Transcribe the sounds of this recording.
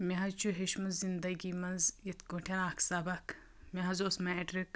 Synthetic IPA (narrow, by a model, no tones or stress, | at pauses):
mʲeɦɐt͡ʃʰuɦeʃmɐzind̪ɐɡʲimɐnzit̪ʰkoʈʰʲɐnaːkʰsɐbɐk | mʲeɦɐzosmeːʈɾik